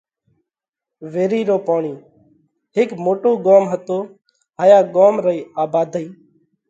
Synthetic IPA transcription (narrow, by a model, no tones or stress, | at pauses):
ʋeːɾiːɾoːpaːɳiː | ɦɪkmoːʈoːɡoːmɦət̪oː | ɦaːjaːɠoːmɾəiːaːbaːd̪ʱəiː